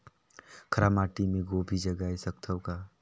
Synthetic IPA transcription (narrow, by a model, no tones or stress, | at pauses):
kʰəɾamaːʈimẽɡoːbʱid͡ʒəɡaːisək̚t̪ʰəwka